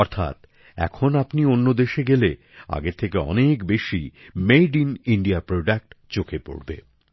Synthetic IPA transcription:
ɔɾt̪ʰa̰t̪ | ɛ̰kʰonapnionːod̪eʃeɡele | a̰ɡeɾt̪ʰekeɔ̰nekbeʃimejɖiniɳɖiapɾoɖak̚ʈ | t͡ɕokʰepo̰ɽbḛ

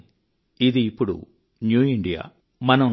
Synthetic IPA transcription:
id̪iːpːuɽṵ | njuːiɳɖija̰ | mɐnɐm

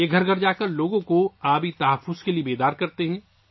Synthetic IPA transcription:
eɡʱɐɾɡʱɐɾd͡ʒaːkəɾloːɡõkoaːbʱit̪ɐɦəfːʊzkeliebeːd̪aːɾkɐɾt̪eɦɛ̃ː

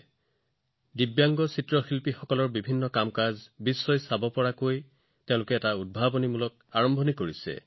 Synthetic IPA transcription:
dibjaŋɡɔsitɹɔxilpixɔkɔlɔɹbibʱinːɔkamkazbisːɔjsabɔpɔɹakoj | teʊ̃lʊkɛɛtaud̚bʱabɔnimulɔk̚ | aɹɔmbʱɔnikoɹisɛ̰

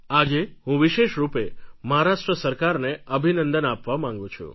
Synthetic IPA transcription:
ad͡ʒeɦũʋiʃeʃɾupeməɦaɾaʃʈɾəsəɾkaɾneəbʱinənd̪ənapʋamãŋɡũt͡ʃʰṵ

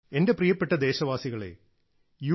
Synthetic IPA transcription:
ende̞prijɐpːe̞ʈːɐd̪e̞ːɕɐʋaːsiɣɐɭe̞̰ | ju

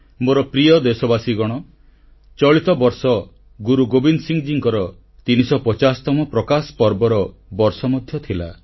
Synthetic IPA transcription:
moɾɔpɾiɔd̪esɔbasiɡɔɽ̃ɔ | t͡ʃɔɭit̪ɔbɔɾsɔ | ɡuɾuɡobinsiŋd͡ʒiŋkɔɾɔ | t̪inisɔpɔt͡ʃasɔ̥t̪ɔmɔpɾɔkasɔ̥pɔɾbɔɾɔbɔɾsɔmɔd̪ʱjɔt̪ʰila̰

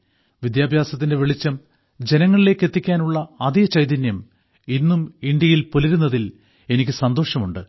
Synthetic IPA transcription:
ʋid̪jaːbʱjaːsɐt̪̬ːinde̞ʋeɭit͡ɕːɐm | d͡ʑe̞nɐŋːɐɭile̞ːkːe̞t̪ːikʲːaːnuɭːɐɐðiɐt͡ɕɐjd̪injɐm | inːumindjɐjilpolɐɾunːɐðil | e̞nikʲːɨsɐnd̪o̞ːʂɐmuɳɖɨ

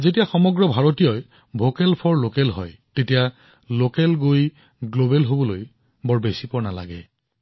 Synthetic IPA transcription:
zetijaxɔmɔɡɹɔbʱaɹotijɔj | bʱokɛlpʰɔɹlokɛlɦɔ̰j | tetija | lokɛlɡoj | ɡlobɛlɦobɔloj | bɔɹbesipɔɹnala̰ɡɛ̰

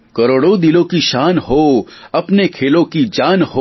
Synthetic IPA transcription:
kɐɾoːɽod̪ilõkiʃaːnɦoːɐpnekʰeːlõkid͡ʒaːnɦo

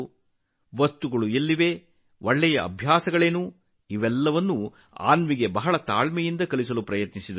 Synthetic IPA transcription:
ʋɐst̪uɡɐɭuelːiʋe̞ | ʋʔɔɭːɛjɐɐ̰bʱjaːsɐɡɐɭenu | iʋɛlːɐʋɐnːu | a̰ːnʋiɡe̞bɐɦɐɭɐt̪a̰ːɭmɛjind̪ɐkɐlisɐlupɾɐjɐt̪nisid̪ɐ

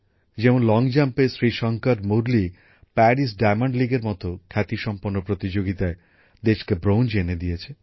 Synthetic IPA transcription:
d͡ʒeũlɔŋd͡ʒampesɾiʃɔŋkaɾmuɾli | pɛɾis̬ɖajmɔɳɖliɡeɾmɔt̪okʰat̪isɔmpɔnːopɾot̪id͡ʒoɡit̪ae | d̪eʃkebɾownd͡ʒened̪iet͡ʃʰe

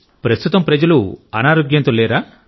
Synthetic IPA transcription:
pɾɐst̪ut̪ɐmpɾɐd͡ʒɐluɐnaːɾoːɡjɐnt̪ulɛːɾaː

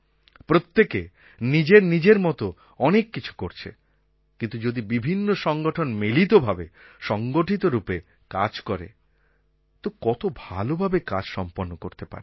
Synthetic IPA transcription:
pɾot̪ːeke | nid͡ʑeɾnid͡ʑeɾmɔt̪o | ɔnekːit͡ɕʰu̥koɾt͡ɕʰḛ | kint̪ud͡ʑod̪ibibʱinːoʃɔŋɡoʈʰonmelit̪̬obʱabe | ʃɔŋɡoʈit̪oɾupe | kad͡ʑkɔɾḛ | t̪okɔt̪obʱa̰lobʱabeka̰d͡ʑʃɔmponːokoɾt̪epa̰ɾe

